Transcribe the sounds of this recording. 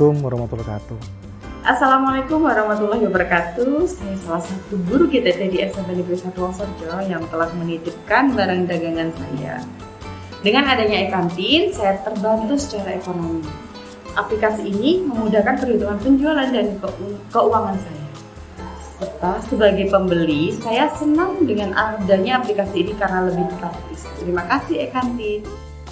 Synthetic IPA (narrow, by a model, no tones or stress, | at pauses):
umwaɾɔmat̪ulkat̪u | ʔasalamalekʊmwaɾɑhmat̪ulːahɦiwabəɾkat̪usajasalahsat̪ubuɾuɡit̪at̪ediɛsabanibɾisat̪uwaŋsərd͡ʒɔjaŋt̪əlahmənidəp̚kanbaɾaŋdaɡaŋansa̰ja̰ | dəŋanadaɲaekant̪insajat̪ərbant̪usə̥t͡ʃaɾaekonomi | ʔaplikasiːniməmudahkanpərhut̪uŋanpəɲd͡ʒualandanpəkəuwaŋansaja | sət̪asəbaɡajpəmbəlisajasənaŋdəŋanʔadaɲaːplikasiːnikarnaləbɪht̪ak̚t̪ɪst̪əɾimakasɪhekant̪ɪn